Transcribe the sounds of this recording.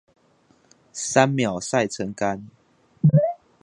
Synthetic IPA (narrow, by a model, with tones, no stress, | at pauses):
sa˦nmja˨˩ʊsa˥˨ɪt͡sʰə˧˦ŋka˦n